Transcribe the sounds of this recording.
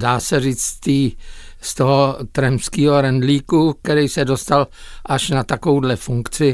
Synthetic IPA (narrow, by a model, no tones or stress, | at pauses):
daːsɛriːt͡st̪iːst̪oɦot̪ɾɛmskiːɦo̞ɾɛndliːkuk̚t̪ɛɾijsɛdo̞st̪alʔaʃnat̪akowdlɛfuŋkt͡sɪ